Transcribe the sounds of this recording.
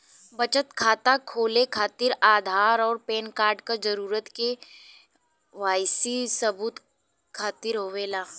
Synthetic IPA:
bɐt͡ʃət̪kʰaːt̪akʰoːlekʰaːt̪ɪɾaːd̪ʱaːɾɔːɾpeːnkaːɾɖkad͡ʒɐɾuːɾət̪ke | ʋaːɪsisɐbuːt̪ | kʰaːt̪ɪɾɦoːʋeːlaː

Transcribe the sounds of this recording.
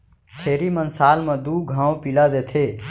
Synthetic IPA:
t͡ʃʰeːɾimənsaːlmẽd̪uɡʱãːwpilad̪et̪ʰe

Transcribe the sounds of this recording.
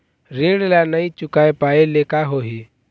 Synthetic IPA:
ɾeːɽelanəĩt͡ʃʊkaːepaːelekaɦoːɦi

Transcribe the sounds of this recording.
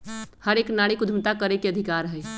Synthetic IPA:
həɾeknaɽikud̪ʱmt̪akəɾekeəd̪ʱikaɾɦəj

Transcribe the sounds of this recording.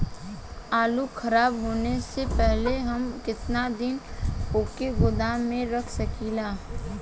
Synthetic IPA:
aːlukʰɐɾaːbɦoːnesepɛɦleɦɐmkɪt̪nad̪ɪnpoːkeɡʊd̪amẽɾɐkʰsɐkiːlaː

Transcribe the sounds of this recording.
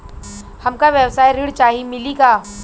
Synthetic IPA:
hɐmkaʋjəwsaːjɾɪɽt͡ʃaːɦimɪliɡaː

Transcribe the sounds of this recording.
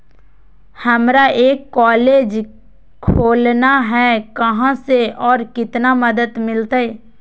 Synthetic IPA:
hɐmɾaʔeːkːɔːleːd͡ʒ | kʰoːlnaɦɛːkɐɦãseɔːɾkɪt̪namɐd̪əd̪mɪlt̪aɦɛː

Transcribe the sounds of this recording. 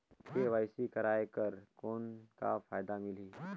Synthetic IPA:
keʋaːɪsikɐɾaːekɐɾkoːnka̰faːjd̪amɪliː

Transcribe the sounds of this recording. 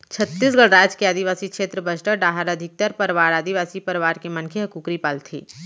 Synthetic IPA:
t͡ʃʰɐt̪ːiːs̬ɡɐɭɾaːd͡ʒkeaːd̪iʋaːsikʃeːt̪ɾəbət͡ʃʈəɖaːɦəɾɐd̪ʱɪk̚t̪əɾpɐɾʋaːɾaːd̪iʋaːsipɐɾʋaːɾkemɐnkʰeɦɐkuːkɾipaːlt̪ʰḭː

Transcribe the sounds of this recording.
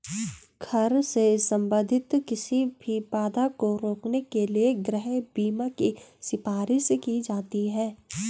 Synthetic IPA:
ɡʰɐɾsesɐ̃mbə̃nd̪ʱɪt̪kɪsibʱipaːd̪akoɾoːknekelieɡɾɛɦbiːmakisɪpaːɾɪʃkid͡ʒaːt̪iɦɛː

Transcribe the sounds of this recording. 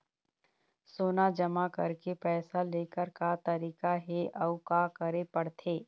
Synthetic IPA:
soːnad͡ʒɐmakɐɾkepɛːsaleːkəɾkat̪ɐɾiːkaɦeʔɐʊkakɐɾepɐɽt̪ʰeː

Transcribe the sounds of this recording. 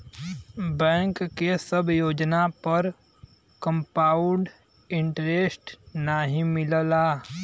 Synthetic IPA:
bɛ̃ːŋkːesəbjoːd͡ʒnapəɾ | kə̃mpaːʊɳɖ | ɪ̃ɳʈɾesʈnaɦĩmɪləlaː

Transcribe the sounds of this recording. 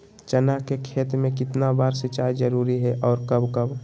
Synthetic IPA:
t͡ʃənakekʰeːt̪mẽkɪt̪nabaːɾset͡ʃaːjd͡ʒəɾuːɾiɦɛʔɔːɾkəbkəb

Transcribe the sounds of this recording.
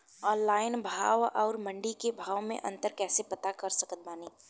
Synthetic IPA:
ɔ̃ːnlaːɪnbʱaːʋɔːɾmɐ̃ɳɖikebʱaːʋmḛ̃ʔɐ̰̃nt̪əɾkɛːsepɐt̪akɐɾsɐkət̪̚baːniː

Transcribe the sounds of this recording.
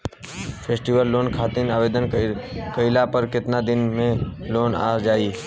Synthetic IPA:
pʰeːsʈiʋəlːoːnkʰaːt̪inaːʋeːd̪ənkəɪlapəɾkɪt̪nad̪ɪnmẽloːna̰ːd͡ʒaːiː

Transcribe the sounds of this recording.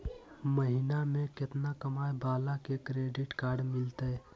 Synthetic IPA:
məɦinamẽkɪt̪nakəmaːjbaːlakekɾeːɖɪʈkaːɾɖmɪlt̪eɛ

